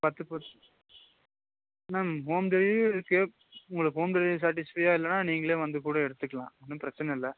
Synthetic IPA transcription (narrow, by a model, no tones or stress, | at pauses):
pɐt̪ːɯpɐɾ | naːmɦoːmd̪ɛɾĩɪɾɯkːɯ | ʊŋɡɐɭɯkːɦoːmd̪ɐɻisaːɾʈ̬ɪspɐjaːɪlːɐnaːniːŋɡɐɭeːʋɐnd̪ɯkuːɽɐɛɽɯt̪ːɯkːɐɭã̰ːɛnːɯ̃pɪɾɐt͡ʃːɐnɐɪlːɐ